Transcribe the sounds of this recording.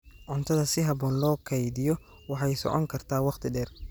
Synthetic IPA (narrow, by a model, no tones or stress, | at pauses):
ʕʊnt̪ʰɐðɐsɪɦɑβɔːnlɔːkʰɐjðɪjɔ | wɑħɑjsɔ̰ʕɔ̰ŋkʰɐrt̪ʰaːwɑqt̪ʰɪɖɛːr